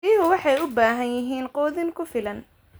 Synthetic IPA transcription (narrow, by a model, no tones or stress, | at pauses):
iːɦʊwɑħɑjʊbaːɦɐnjɪɦiːnqɔːðɪŋkʰʊfɪlɐn